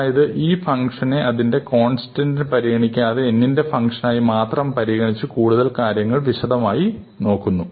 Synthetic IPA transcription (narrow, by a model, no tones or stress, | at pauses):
jɐðɨʔiːfɐŋʂɐne̞ɐðinde̞ko̞ːnsi̥tɐndpɐɾiɣɐɳikʲːaɐðɨenːinde̞fɐŋkʂɐnaːjimaːt̪rɐmpɐɾiɣɐɳit͡ɕːɨkuːɽuðɐlkaːɾjɐŋːɐɭʋiɕɐd̪ɐmaːji | no̞ːkːunːu